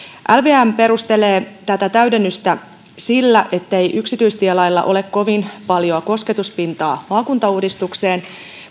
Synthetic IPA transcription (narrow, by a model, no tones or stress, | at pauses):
ʔælʋeːæmpe̞ɾust̪e̞leːt̪æt̪æt̪æɥde̞nːyst̪æ | silːæʔe̞t̪ːe̞jʔyksit̪yjst̪iælɑjlːɑ̰ʔo̞le̞kko̞ʋinpɑljo̞ɑko̞ske̞t̪uspint̪ɑːmɑːkunt̪ɑuːdist̪ukse̞ːn